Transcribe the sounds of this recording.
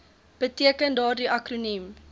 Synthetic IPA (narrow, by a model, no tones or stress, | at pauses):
b̥ətiəkəndɑːrdiʔɐkrunim